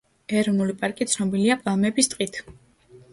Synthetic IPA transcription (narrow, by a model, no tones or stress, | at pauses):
ɛɾɔnulipʼaɾkʼit̪sʰnɔbiliapʼalˠmɛbist̪ʼqʼit̪ʰ